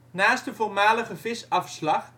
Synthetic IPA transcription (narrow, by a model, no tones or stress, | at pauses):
naːstdəvormaːləχəvɪsɑfslɑχ